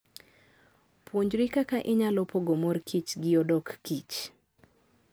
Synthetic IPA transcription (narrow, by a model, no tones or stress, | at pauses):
pʰwoɲd͡ʒɾikakaʔɪɲalɔpoɡomorkʰit͡ʃɡɪodɔkːit͡ʃ